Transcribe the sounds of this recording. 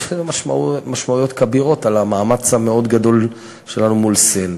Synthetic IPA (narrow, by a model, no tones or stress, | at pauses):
maʃmaumaʃmaujo̞t̪kabiʁo̞t̪alamaːmat͡sameo̞d̪ɡad̪o̞l | ʃe̞lanumulsen